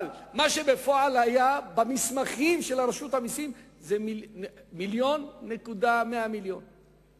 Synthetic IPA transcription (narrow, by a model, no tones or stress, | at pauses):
lmaʃe̞befoʕalajabamismaχimʃelaɾeʃut̪hamisim | zemimiljo̞nːe̞kud̪ameamiljon